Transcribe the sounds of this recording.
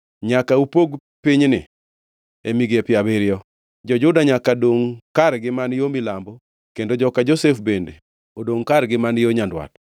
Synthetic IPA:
ɲakaupoɡ | piɲnɪ̰ | emiɡepɪabɪɾɪɔ | d͡ʒɔd͡ʒʊdaɲakadoŋkaɾɡɪmanjomɪlambɔ | kendod͡ʒɔkad͡ʒosefbendḛ | odoŋkaɾɡɪmanjoɲandwa̰t

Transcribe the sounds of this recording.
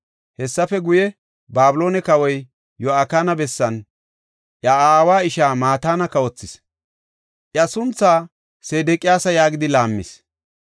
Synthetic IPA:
hɛsːɐfɛɡʊjɛ | baːbʊlo̞ːnɛkɐwɔj | jɔakaːnɐbɛsːɐn | ʔjɐaːwaːɪʃaːmaːt̪aːnɐkːɐɔt͡sːɪs | ʔjɐsʊnt͡sːaː | seːd̪ɛkʼɪjaːsɐjaːɡɪd̪ɪlaːmːɪ̰s

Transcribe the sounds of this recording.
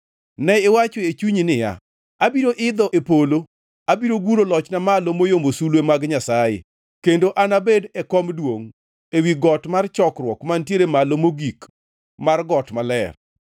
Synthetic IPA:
nɛɪwat͡ʃoet͡ʃuɲinɪja̰ | abiɾoʔɪd̪ɔʔepolo | abiɾoɡuɾolɔt͡ʃnamalomojomosulwemaɡɲasajḛ | kendoʔanabedɛkɔmdwoŋ | ewiɡɔtmart͡ʃɔkrwɔkmantjeɾemalomoɡik | marɡɔtmalɛr

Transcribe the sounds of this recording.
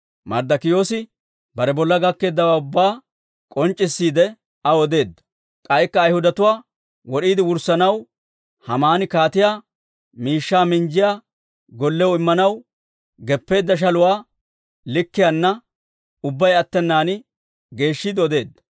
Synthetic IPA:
mɐ̰ɾd̪ɐkɪjo̞ːsɪ | bɐɾɛbɔlːɐɡɐkːe̞ːd̪ːɐwaːʊbːaː | kʼɔnt͡ʃʼːɪsːiːd̪ɛ | ɐwɔd̪e̞ːd̪ːɐ̥ | kʼɐjkːɐːjhʊd̪ɐt̪ʊwaː | wɔɗiːd̪ɪwʊɾsɐnɐw | hɐmaːnɪkaːt̪ɪjaː | miːʃːaːmɪnd͡ʒɪjaː | ɡɔlːɛwɔɪmːɐnɐw | ɡɛpːe̞ːd̪ːɐʃ̬ɐlʊwaː | lɪkːɪjanːɐ | ʊbːɐjɐt̪ːɛnːaːnɪ | ɡe̞ːʃːiːd̪ɪɔd̪e̞ːd̪ːɐ̥

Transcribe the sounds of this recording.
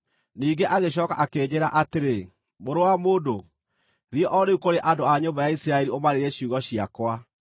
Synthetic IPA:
niːɡeʔaɣeɕ̬ɔːka̰ʔakeːɲeɾa̰ʔateɾe | moɾowamoːdo | ɾjɔʔɔɾeukoɾeʔadoaɲoːmbajaisiɾaɛɾiomaɾeɾeɕuɣɔɕia̰kwa

